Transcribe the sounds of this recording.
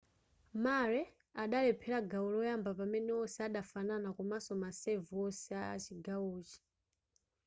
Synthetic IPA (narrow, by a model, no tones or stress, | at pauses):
maɾɛ | aɗalɛpʰɛɾaɡawulɔjambapamɛnɛɔsɛaɗafananakumasɔmasɛvɔsɛaat͡ʃiɡawuːt͡ʃi̥